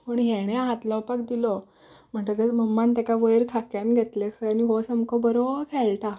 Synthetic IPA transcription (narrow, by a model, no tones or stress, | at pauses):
pəɳɦeɽ̃eɦat̪lɔwpakd̪ilɔ | m̤əʈ̪əɡət͡sməmːant̪akaʋəjɾkʰakjanɡʱet̪lekʰəaniɦosəmkɔbəɾokʰɛlʈ̪a